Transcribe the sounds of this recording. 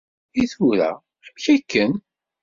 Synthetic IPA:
iθuɾæ̰ | əmçækːən

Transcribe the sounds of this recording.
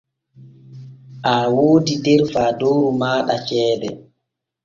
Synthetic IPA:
ʔaːwoːdidɛɾfaːdoːɾumaːɗat͡ʃɛːdɛ

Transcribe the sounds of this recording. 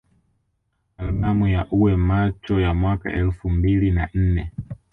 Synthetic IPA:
allamujaʔuwɛmat͡ʃɔjamwaka̰ʔɛlfumbilinan̩nɛ

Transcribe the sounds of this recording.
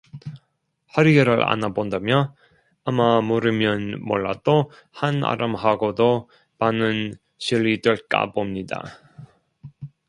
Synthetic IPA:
haɾiɡeɾɯɭa̰nabondamjʌ | amamoɾɯmjʌnmo̰ɭːa̰d̥o | hana̰ɾʔɯmɦaɡodo | manɯn | ɕiɭːidweɭk͈a̰bomɲida̰

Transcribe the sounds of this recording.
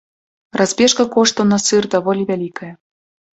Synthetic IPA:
rɑzbʲeʃkɑ̆koʃt̪onɑsɨrd̪ɑβolʲiβʲælʲikă

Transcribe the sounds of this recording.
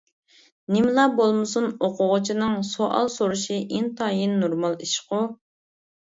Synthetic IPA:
nɪmlˠɑbolˠmɨsunoqʰʊʁʊt͡ʃʰinɨŋsoʔɑ̰lˠsoɾuʃiʔint̪ʰɑjinːoɾmɑlˠiʃqʊ

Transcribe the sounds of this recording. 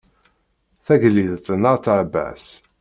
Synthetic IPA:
θæʝlːiðt̪ːənəʁθʕbæ̰s

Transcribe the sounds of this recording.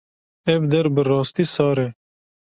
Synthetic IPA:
ebd̪ɐɾbəɾɑːst̪isɑːɾeː

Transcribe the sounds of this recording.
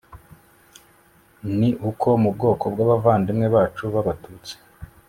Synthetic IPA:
niʔukʰo̞mubɡo̞ːkʰo̞bɡwaːβavaːndimŋe̞βaːt͡ʃuβaβatuːt͡se̥

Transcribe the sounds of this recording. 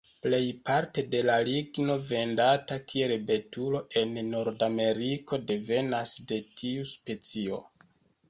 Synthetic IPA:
ple̞jpaɾte̞de̞laliɡno̞ve̞ndatakʰie̞lbe̞tulo̞ʔe̞nːo̞ɾdame̞ɾikʰo̞de̞ve̞nasde̞tʰiuspe̞t͡sio̞̰

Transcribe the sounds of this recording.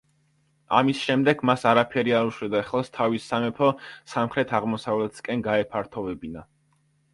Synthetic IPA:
a̰misʃɛmd̪ɛɡmasaɾapʰɛɾiaɾuʃwɛd̪aɛχlˠast̪ʰavisamɛpʰɔsamχɾɛt̪ʰaʁmɔsavlɛt̪ʰskʼɛnɡaɛpʰaɾt̪ʰɔvɛbina

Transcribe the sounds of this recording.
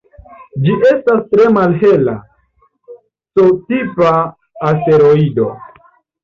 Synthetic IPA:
d͡ʒiʔe̞stastɾe̞malɦe̞la̰ | sotipaː | ste̞ɾo̞ido̞

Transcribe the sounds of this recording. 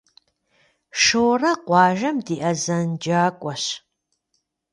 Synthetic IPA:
ʂoːrɐqʷɑːʒɐmdiːʔɐzɐnd͡ʒaːkʷʼɔɕ

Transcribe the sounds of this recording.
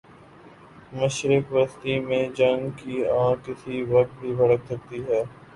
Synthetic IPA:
mɐʃɾɪkʋəst̪imẽd͡ʒɐ̃ŋɡkiãːkɪsiʋɐk̚t̪̚bʱibʱɐɽəksɐk̚t̪iɦɛː

